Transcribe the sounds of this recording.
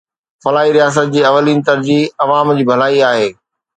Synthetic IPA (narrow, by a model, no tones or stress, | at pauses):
fɐlaːɦiɾijaːs̬ət̪̚d͡ʑiːɐʋəliːnt̪ɐɾd͡ʑiːɐʋaːmd͡ʑiːbʱɐlaːiaːɦeː